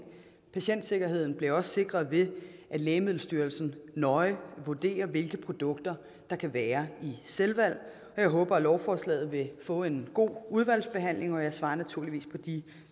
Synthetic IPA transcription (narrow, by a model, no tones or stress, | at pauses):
pʰæɕen̰d̥se̝ɡ̥ɐɦe̝ð̰ˠn̩b̥le̝ɒ̽sse̝ɡ̥ʁɐð̞ˠʋe̝ʔæ̥lɛːɪmiðˠl̩ˠsd̥yːɐl̩sn̩nɒ̽ɪʋud̥e̝̰ːɐʋe̝lɡ̥əpʰʁo̝d̥ɔ̽ɡ̥̚d̥ɐ | d̥ɑ̈kʰæʋæːɐiselʋæl̰ | ɒ̽jɑ̈ɪɦɔ̽ːb̥ɐlɒʊfɒːslɛ̰ːð̩ˠʋe̝fɔ̰̽ːe̝nɡ̥o̝̰ːuð̞ˠʋæl̰sb̥e̝ɦæn̰le̝ŋɒ̽jɑ̈ɪsʋɑ̈ːnæt͡sʰuɐ̰liʋḭːspʰɒ̽d̥i